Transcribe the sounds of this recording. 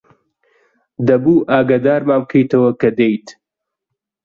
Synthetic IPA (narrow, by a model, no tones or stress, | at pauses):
d̪ɐbuːʔaːɡaːd̪aːɾmaːmb̚kʰejt̪ɐwɐkɐd̪ejt̪